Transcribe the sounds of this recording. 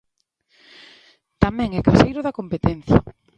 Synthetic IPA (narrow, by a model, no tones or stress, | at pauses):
t̪amɛ̃ŋɛkasejɾʊðɐkompet̪ɛn̟θjɐ̰